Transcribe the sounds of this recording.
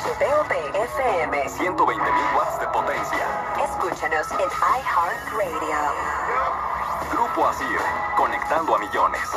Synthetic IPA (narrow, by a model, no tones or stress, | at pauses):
t͡ʃipeopeefeemesjent̪o̞βejnt̪emilɣwatzðepot̪ensja̰ | eskut͡ʃanosenajhanrejðio | ɡ̥ɾupoasio̰ko̞nekt̪and̪oamiʝo̞nḛs